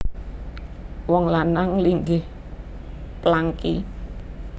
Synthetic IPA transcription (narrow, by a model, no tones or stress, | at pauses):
wɔŋlanaŋliŋɡɪh | plaŋki